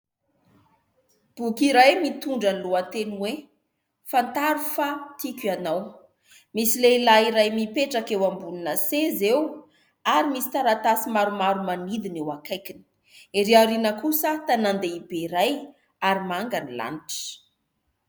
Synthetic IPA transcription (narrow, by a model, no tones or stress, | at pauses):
b̥ukiɾajmit̪uɳɖ͡ʐanluat̪enwe | fant̪aɾufat̪ikʲanaw | misileilaiɾajmipeʈ͡ʂakewambuninəsezew | aɾimisi̥t̪aɾat̪asimaɾumaɾumanid̪inewakajkini̥ | eɾeaɾinəkusət̪anand̪eibeiɾaj | aɾimaŋɡanila̰niʈ͡ʂə̥